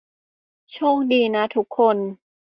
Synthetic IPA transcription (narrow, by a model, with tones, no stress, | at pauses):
t͡ɕʰoː˥˩ŋdiː˧˩na˦˥t̪ʰu˦˥kʰːo˧n